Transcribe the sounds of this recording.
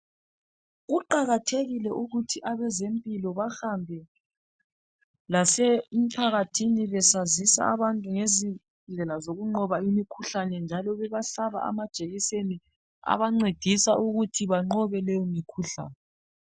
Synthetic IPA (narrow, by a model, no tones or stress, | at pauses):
ɣuǃaɣatʰeɣilɛʔuɣutʰiʔaβɛzempʼilɔβahambʱɛ | lasɛm̩pʰaɣatʰiniβɛsazisa̰aβantʼuŋezi | ɮʱɛlazoɣuŋ͡ǃɔβaimikʰuɬanɛnd͡ʒʱalɔβɛβaɬaβa̰ʔa̰mad̥ʒ̥ʱeɣiseni | a̰βaŋ͡ǀed̥ʱisaʔuɣutʰiβaŋ͡ǃɔβɛlɛjɔmikʰuɬa̰ːnɛ